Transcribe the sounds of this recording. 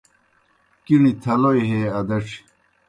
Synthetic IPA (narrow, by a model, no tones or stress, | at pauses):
kiɳit̪ʰɐlojɦeɐd̪ɐʈ͡ʂʰ